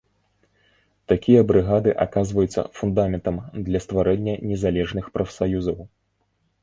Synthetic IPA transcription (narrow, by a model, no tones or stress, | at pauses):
t̪akʲijɐbɾɨɣad̪ɨʔakazvɐjut̪sːɐ̰fund̪amʲɛnt̪ɐmd̪lʲɐst̪vaɾɛnʲːɐnʲɛzalʲɛʐnɨxpɾɐfsajuzɐw